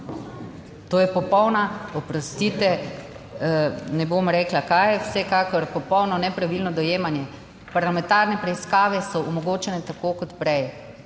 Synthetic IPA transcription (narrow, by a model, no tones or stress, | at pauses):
t̪oːjɛpɔpɔwnaɔpɾɔst̪it̪ɛ | nɛbomɾɛːklakajwsɛkaːkɔɾpɔpɔwnɔnɛpɾaʋilnɔd̪ɔjeːmanjɛ | paɾlamɛ̃nt̪aɾnɛpɾɛiskaːʋɛsɔɔmɔɡoːt͡ʃɛnɛt̪akoːkɔt̪pɾɛj